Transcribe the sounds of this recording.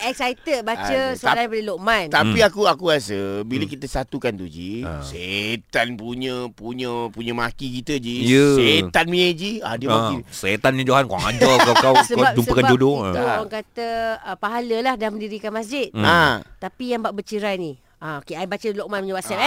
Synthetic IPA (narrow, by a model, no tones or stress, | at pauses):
ɛksajt̪əbat͡ʃəsalapadəloʔmãnt̪apiakuakuasəbiləkit̪əsat̪ukant̪ud͡ʒḭset̪anpuɲə̃puɲə̃puɲə̃makikit̪əd͡ʒiset̪anmɲəd͡ʒia̰dəmakiset̪anmɲə̃d͡ʒoɦankaŋa̰d͡ʒɔkakawsəbapd͡ʒumsəəkanbd͡ʒodot̪uaŋkat̪əəpaɦaləlahdaməndiɾikanmasd͡ʒɪt̪̚at̪apijaŋbaʔbət͡ʃiɾaini | aokeaibat͡ʃəloʔmanpuɲəwasal